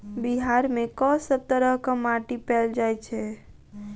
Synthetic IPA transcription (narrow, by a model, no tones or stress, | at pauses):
biɦaɾmẽkɔ̃səb̚t̪əɾəɦkamaʈipɛld͡ʒajt͡ʃʰɛ